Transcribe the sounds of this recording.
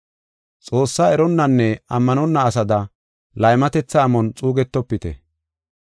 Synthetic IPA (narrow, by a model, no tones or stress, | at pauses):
t͡sʼo̞ːsːaːɛɾɔnːɐnːɛɐmːɐnɔnːɐːsɐd̪ɐ | lɐjmɐt̪ɛt͡sːɐːmɔnt͡sʼuːɡɛt̪ːɔpːɪt̪ɛ̰